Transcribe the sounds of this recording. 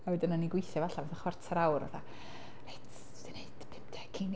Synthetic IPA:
awjdənanːiɡwɪjθjɔvaɬavaθaχwɛr̥tʰaɾawra̰θa̰ | ret | dned̥pʰɪmptʰɛ̥kʰin

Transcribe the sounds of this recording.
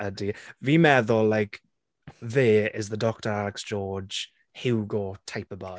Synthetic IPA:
ədiviːmɛðɔlajk | ðɛːɪzðədɔk̚təɾalɛksd̥ʒ̥ɔːd͡ʒ̥ | hɪwɡɔtʰajpəba

